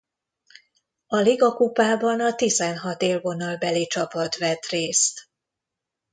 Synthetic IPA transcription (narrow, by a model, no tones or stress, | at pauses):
ɒliɡɒkupaːbɒnɒt̪izɛnɦɒt̪eːlvo̞nɒlbɛlit͡ʃɒpɒt̪ʋɛt̪reːst̪